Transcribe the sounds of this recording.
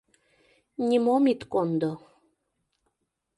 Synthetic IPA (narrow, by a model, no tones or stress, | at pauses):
nʲimomit̪kond̪o